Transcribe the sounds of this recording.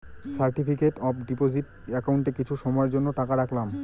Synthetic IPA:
saɾʈipikeʈɔbɖipod͡ʑiʈɛkaɳʈekit͡ɕʰuʃɔmɔeɾd͡ʑonːoʈakaɾakʰlam

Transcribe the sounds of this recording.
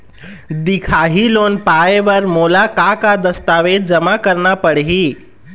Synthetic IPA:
d̪ikʰaɦiloːnpaebəɾmoːlakakad̪əst̪aʋed̪̚d͡ʒəmakəɾnapəɽɦi

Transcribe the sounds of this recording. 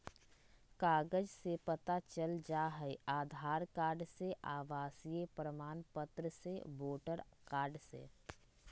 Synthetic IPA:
kaːɡəd͡ʒsepət̪at͡ʃəld͡ʒaːɦɛiaːd̪ʱaːɾkaːɾɖseʔaːʋaːsijepɾəmaːnpət̪ɾəsḛboːʈəɾkaːɾɖsḛː

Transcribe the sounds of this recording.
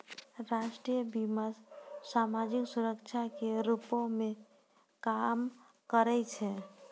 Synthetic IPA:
ɾaʃʈɾijəbiməssamad͡ʒiksuɾəkt͡ʃʰakeɾupõme | kam | kəɾɛt͡ʃʰɛ

